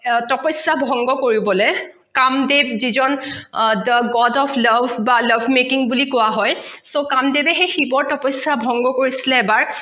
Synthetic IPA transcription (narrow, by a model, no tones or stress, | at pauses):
tɔpɔsabʱɔŋɡɔkoɹibɔlɛ | kamdebzizɔndəɡɔdɔpʰlabʱbaləbʱmekiŋbulikʊwaɦɔjsokamdebɛxejxibɔɹtɔpɔsabʱɔŋɡɔkoɹisilɛːbaɹ